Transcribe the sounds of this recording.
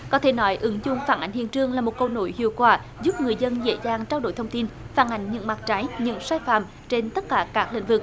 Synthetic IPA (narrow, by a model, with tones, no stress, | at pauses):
kɔ˨˦t̪ʰe˧˩nɔ˨˦jʔɨ˨˦ŋzʊ̰˧˨ŋ͡mfaː˧˩nʔa˨˦ŋ̟hḭ˧˨ənt͡ɕɨ˧əŋlaː˨˩mo˨˩t̚kə˧wno̰˧˦jhḭ˧˨əwkwaː˧˩ | zu˦˥p̚ŋɨ˨˩əjzə˧nzḛ˧˥zaː˧˩ŋt͡ɕaː˧wɗo̰˧˩jt̪ʰwŋ͡mt̪i˧n | faː˧˩nʔa˨˩jŋ̟ɲɨ̰˧˥ŋma˨˩t̚t͡ɕa˨˦jɲɨ̰˧˥ŋsaː˧jfa̰ː˧˩˨m | t͡ɕe˧nt̪ə˦˥t̚kaː˧˩kaː˦˥k̚lḭ˧˨ŋ̟vɨ˨˩k̚